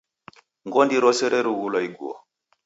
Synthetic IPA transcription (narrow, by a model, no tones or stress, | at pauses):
ŋɡɔndiɾɔsɛɾʔɛɾuɣulɔiɡuɔ̰